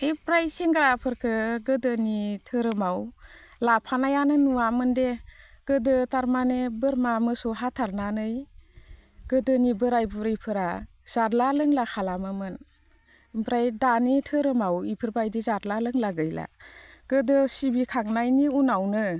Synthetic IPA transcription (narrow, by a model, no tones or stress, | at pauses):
epɾajsiŋɡɾapʰɯɾkʰɯɡɯdɯnitʰɯɾɯmaw | lapʰanajanɯnuwamɯndeɡ̥ɯdɯtaɾmanebɯɾmamɯsɔɦatʰaɾnanɯj | ɡ̥ɯdɯnibɯɾajbuɾijpʰɯɾa | z̥aɾlalɯŋlakʰalamɯmɯn | pɾajdanitʰɯɾɯmawipʰɯɾbajdizaɾlalɯŋlaɡɯjla̰ɡ̥ɯdɯsibikʰaŋnajniunawnɯ